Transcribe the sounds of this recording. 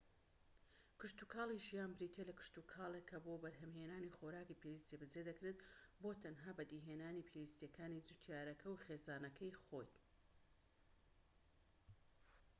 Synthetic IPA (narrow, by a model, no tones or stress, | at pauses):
kɨʃt̪ukʰaːlˠiʒijaːnbɾiːt̪ʰelɐkʊ̥ʃt̪ukʰaːlˠekʰːɐbobɐɾɦɐmɦeːnaːnixoːɾaːkipʰewist̪d͡zebɐd͡zed̪ɐkɾet̪bot̪ʰɐnɦaːbɐd̪iɦeːnaːnipʰewist̪jɐkaːnid͡zut̪ʰjaːɾɐkʰɐwχeːzaːnɐkʰɐjxo̞j